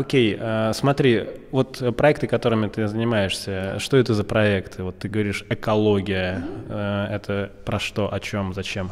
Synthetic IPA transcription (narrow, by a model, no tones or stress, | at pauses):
okʲejasmɐt̪ɾʲi | vo̞t̪pɾɐɛk̚t̪ɨkɐt̪o̞ɾɨmʲɪt̪ɨzənʲɪmajɪʂsʲəʂt̪o̞ɛt̪əzəpɾɐɛkt̪ʰɨvo̞t̪ːɨɡəvɐɾʲiʂɛkɐlˠo̞ɡʲɪjə | ɛt̪ʰəpɾɐʂt̪o̞ʔɐt͡ɕo̞mzɐt͡ɕe̞m